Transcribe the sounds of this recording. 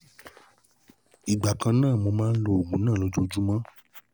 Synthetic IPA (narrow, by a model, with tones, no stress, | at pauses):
i˨ɡ͡ba˨kã˧nãː˦˨mo˧mãː˦n̩˦lo˦o˨ɡ͡bũ˨˦nãː˦˨lo˧d͡ʒu˦˧˦d͡ʒu˦mã˦